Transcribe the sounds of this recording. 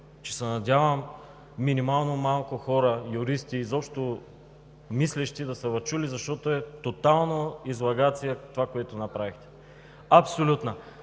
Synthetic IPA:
t͡ʃɛ̥sɛnɐd̪ʲavɐmː | inimalˠnomalˠkʊxɔɾɐjʊɾist̪iːzɔpʃt̪o | mislɛʃt̪id̪ɐsəvɐt͡ʃulizɐʃt̪ɔt̪oɛt̪ot̪alˠnoizlˠɐɡat̪sijɛt̪ovakoɛt̪ʊnɐpɾavixt̪ɛ̥ | ɐpsolʲut̪nɐ

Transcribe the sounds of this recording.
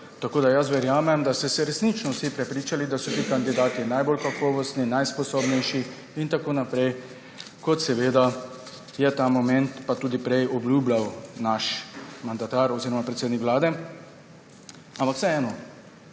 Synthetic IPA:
t̪akoːd̪ajas̬ʋɛɾjaːmɛmd̪ast̪ɛsɛɾɛsnit͡ʃnɔwsipɾɛpɾiːt͡ʃalid̪asɔt̪iːkand̪id̪aːt̪inajbolkakɔːʋɔst̪ninajspɔsobnɛjʃi | int̪akoːnapɾɛj | kɔt̪sɛʋeːd̪a | jɛt̪aːmɔmɛnt̪pat̪uːd̪ipɾɛjɔbljuːblawnaʃmand̪at̪aɾɔziːɾɔmapɾɛt̪seːd̪nikʋlaːd̪ɛ | ampaksɛɛːnɔ

